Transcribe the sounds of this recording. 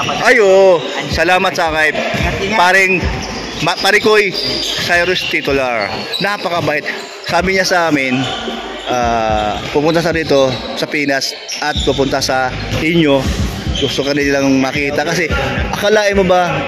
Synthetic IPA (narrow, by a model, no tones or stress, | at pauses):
ʔɐjo | sɐlaːmɐt̪̚sɐʔaːŋɐjpaːɾɪŋ | mɐpɐɾɪkojsajɾʊst̪it̪ʊlaɹ | napɐkɐbaːʔɪt̪̚ | saːbɪɲasɐʔaːmɪn | ʔaːpʊpʊnt̪asɐd̪iːt̪o̞ | sɐpiːnɐs | ʔɐt̪̚pʊpʊnt̪asɐ | ʔɪɲːo̞ɡʊst̪okɐnɪlɐŋmɐkiːt̪ɐkɐsɛʔɐkɐlaːʔɪmobɐ